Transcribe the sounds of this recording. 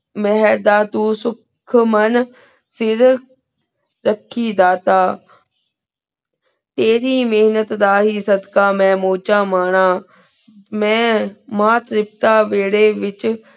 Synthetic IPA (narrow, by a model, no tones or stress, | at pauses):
mɛɦəɾd̪aːt̪uːsʊkʰmən | sɪɾ | ɾəkʰːiːd̪aːt̪aː | t̪eːɾiːmeːɦnət̪d̪aːɦiːsəd̪kaːmɛ̃ːmoːt͡ʃaːmaːɳ̃aː | mɛ̃ːmaːt̪ɾɪp̚t̪aːʋeːɽeːʋɪt͡ʃ